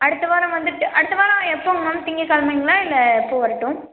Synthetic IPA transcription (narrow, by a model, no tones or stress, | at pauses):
ɐɽɯt̪ːɐʋaːɾɐ̃ʋɐnd̪ɯʈːɯʔɐɽɯt̪ːɐʋaːɾɐ̃ɛpːoːmɐmt̪ɪŋɡikɐlmɐɪŋɡɐlãːɪlːɐpːoːʋɐɾɐʈːʊ̃